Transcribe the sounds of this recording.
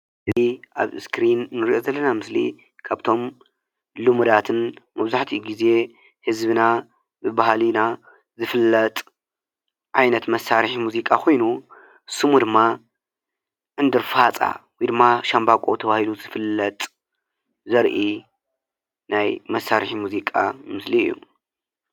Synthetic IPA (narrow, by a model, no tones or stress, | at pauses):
ɨziʔa̰βɨskʰɾinːɨɾiʔo̞zɐlːɐnamɨslḭ | kʰaβt̪ʰo̞m | lɨmud̪at̪ʰɨnmɐβzaħt̪ʰiɡize̞ | hɨzbɨna | bɨbahalina | zɨfɨlːɐt̪ʼ | ʕajnɐt̪mɐsaɾħimuzikʼakʰo̞jnu | sɨmud̪ɨmːa | ʔɨnd̪ɨɾfat͡sʼa̰wjd̪ɨmːaʃambakʼo̞t̪ʰɐβahiluzɨfɨlːɐt̪ʼ | zɐɾʔi | najmɐsaɾħimuzikʼa̰mɨsliɨ̰jːṵ